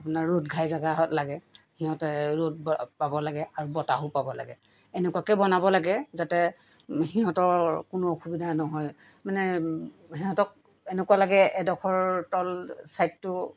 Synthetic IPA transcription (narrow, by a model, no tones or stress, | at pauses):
apunaɹɹotɡʱajzaɡaɦɔtlaɡɛ | hiɦɔ̃tɛɹot̚bpabɔlaɡɛaɹubɔtaɦupabɔla̰ɡɛ | enɛkuakɛbɔnabɔlaɡɛzatɛ | ɦiɦɔ̃tɔɹkʊnoxʰubidʱanɔɦɔj | manɛ | hiɦɔtɔk̚ | enɛkualaɡɛʔɛdɔkʰɔɹtɔlsajtːʊ